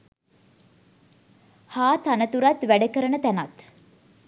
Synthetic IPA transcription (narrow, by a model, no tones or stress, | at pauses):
haːt̪anət̪uɾat̪ʋæɖəkəɾənət̪ænat̪